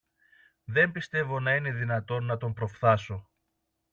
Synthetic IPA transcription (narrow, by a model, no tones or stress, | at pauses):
ðe̞mbist̪e̞vo̞nɐine̞ðinɐt̪o̞nːɐt̪o̞mpɾo̞fθɐso̞